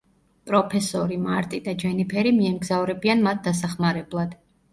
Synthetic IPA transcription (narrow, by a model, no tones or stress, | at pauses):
pʼɾɔpʰɛsɔɾimaɾt̪ʼid̪ad͡ʒɛnipʰɛɾimiɛmɡzavɾɛbianmat̪̚ʰd̪as̬aχmaɾɛblˠad̪̥